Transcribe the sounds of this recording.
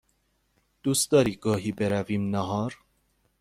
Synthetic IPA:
d̪̥usd̪ɑɾiɡɔːɦibɛɾavimnɐɦɑːɾ

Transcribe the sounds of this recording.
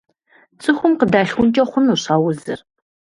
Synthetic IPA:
t͡sʼɨxʷʊmqədaːɬxʷʊnt͡ʃʼɐχʷʊnuɕawʊzɨ̰r

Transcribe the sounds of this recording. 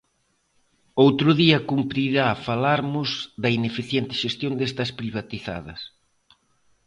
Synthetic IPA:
owt̪ɾʊðiɐkumpɾiɾafalaɾmʊzðɐinefiθjent̪ɪʃest̪jond̪est̪ɐspɾiβ̞at̪iθa̰ðɐ̰s

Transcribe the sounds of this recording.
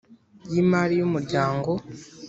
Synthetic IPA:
jimaɾijumuɾɟaːŋɡo̞

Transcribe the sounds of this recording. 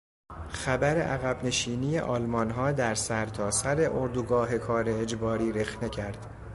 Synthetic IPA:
xæbæɾe̞̰ʔæɣæbne̞ʃiːniːjḛʔɒːlmɒnɦɒːd̪æɾsæɾt̪ʰɒːsæɾe̞ʔoɾd̪uɡɒːɦe̞kʰɒːɾe̞ːd͡ʒbɒːɾiːɾe̞xne̞cʰæɾd̪̥

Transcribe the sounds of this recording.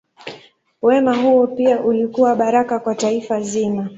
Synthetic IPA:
wɛmaɦuɔpiaʔulikuwaɓaɾakakwataifazima

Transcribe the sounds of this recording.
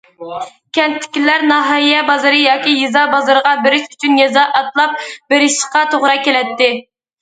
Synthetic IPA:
kʲʰɛnt̪ʰːɪ̥kʲilæɾnɑɦɑijɛbɑzɨɾɨjɑːkʲijezɑbɑzɨɾəʁɑbɪɾɪʃyt͡ʃʰynjɛzɑʔɑt̪lˠɑp̚bɪɾɪʃqɑt̪ʰoʁɾɑkʲelɛt̪ːɪ

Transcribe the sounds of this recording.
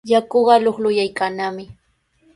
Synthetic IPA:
jakoɢɑloχlʊjajkanamɪ

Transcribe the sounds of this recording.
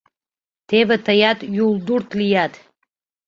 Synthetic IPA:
tʰevatʰajatʼjulˠdurtʰlijatʰʼ

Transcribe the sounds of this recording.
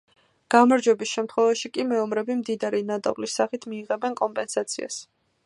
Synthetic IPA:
ɡ̥amaɾd͡ʒwɛbisʃɛmt̪ʰχwɛvaʃikʼimɛɔmɾɛbimd̪id̪aɾinat̪ʼɔ̰vlisːaχit̪ʰmiːʁɛbɛnkʼɔmpʼɛnsat̪sʰia̰s

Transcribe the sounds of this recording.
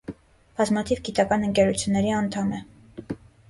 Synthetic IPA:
b̥ɑzmɑt̪ʰivɡit̪ɑkɑnəŋkɛɾut͡sʰjunːɛɾiɑnt̪ʰɑmɛ

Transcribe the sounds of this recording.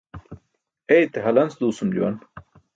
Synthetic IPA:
ejt̪eɦɐlɐnsd̪uːsumd͡ʑṵwɐ̰n

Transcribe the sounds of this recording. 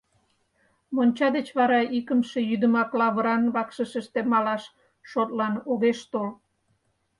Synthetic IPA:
monʲt͡ɕɑd̪et͡ɕβɑɾɑʔikəmʃe̽jyd̪əmɑklɑβəɾɑnβɑkʃəʃəʃt̪emɑlɑʃ | ʃot̪lɑnoɣeʃt̪ol

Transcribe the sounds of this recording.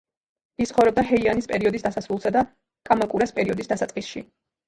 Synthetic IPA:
ist̪χɔvɾɔb̚d̪aɦɛianispʼɛɾiɔd̪isd̪asasɾulˠsad̪a | kʼamakʼuɾaspʼɛɾiɔd̪isd̪asat̪sʼqʼisʃi

